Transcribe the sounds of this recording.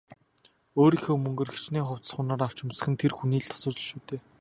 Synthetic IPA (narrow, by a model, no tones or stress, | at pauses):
oːɾiːxoːmɵŋɡɵ̆rɡit͡ɕniːχʊw̥t͡s̪ə̥̆χʊnaːɾaw̥t͡ɕɪ̆msə̥̆xɘ̆nt̪ʰerxuniːɮt̪ʰḁsʊːt͡ɕə̆ɮʃuːt̪ʰeː